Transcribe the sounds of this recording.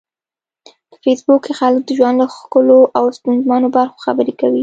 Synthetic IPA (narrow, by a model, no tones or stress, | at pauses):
p̪ə̥fesbukexalək̚d̪əʒwand̪laxkəloʔawst̪ʊnzmɑnobaɾxo̥xabəɾekawi